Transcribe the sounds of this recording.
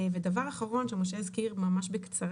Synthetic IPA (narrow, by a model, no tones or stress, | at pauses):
ved̪avaʁaχaʁo̞nʃemoʃeizkiʁmamaʃbekt͡saʁ